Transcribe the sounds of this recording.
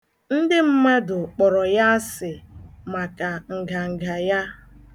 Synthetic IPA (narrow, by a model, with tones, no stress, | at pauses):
n̩˦dɪ˦m̩˦me˦dʊ˨k͡pɔ˨ɾɔ˨ja˦sɪ˨ma˨ka˨ŋ̩˨ɡa˨ŋ̩˨ɡa˨ja˦